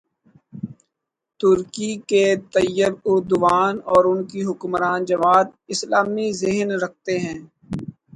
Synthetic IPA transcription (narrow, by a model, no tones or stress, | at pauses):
t̪ʊɾkiket̪ɐjːɪbʊɾd̪ʊʋaːnɔːɾʊnkiɦʊkmɾaːnd͡ʒɐʋaːd̪̚ɪslaːmizɪɦnɾɐk̚ʰt̪eɦɛ̃ː